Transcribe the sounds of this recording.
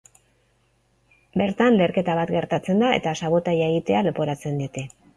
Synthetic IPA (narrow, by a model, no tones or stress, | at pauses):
be̞ɾt̪anle̞ɾke̞t̪aβat̪ɡe̞ɾt̪at͡se̞nd̪ae̞̰t̪asaβo̞t̪ajae̞ɣit̪e̞ale̞po̞ɾat͡se̞nd̪iot̪e̞